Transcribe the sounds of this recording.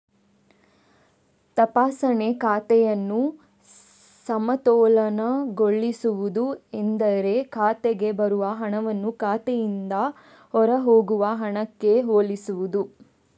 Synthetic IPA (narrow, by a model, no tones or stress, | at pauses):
t̪ɐpaːsɐne̞kaːt̪ɛjɐnːu | sɐmɐt̪ɔːlɐnɐɡoɭːisuʋud̪uend̪ɐɾe̞kʰaːt̪eɡe̞bɐɾuʋɐɦɐɳɐʋɐnːukaːt̪ɛjind̪ɐ | hɔɾɐɦoːɡuʋɐɦɐɳɐkːe̞ɦoːɭisuʋud̪u